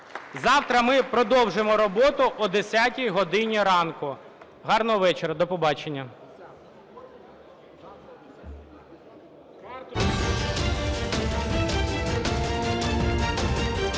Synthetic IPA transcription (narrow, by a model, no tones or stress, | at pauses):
zɑwt̪ɾɐmɪpɾɔd̪ɔwʒemɔɾɔbɔt̪ʊʔːd̪esʲatʲijɦɔd̪ɪnʲiɾɑnkʊ | ɦɑrnɔɔʋɛt͡ʃeɾɐd̪ɔpɔbɑt͡ʃenʲːɐ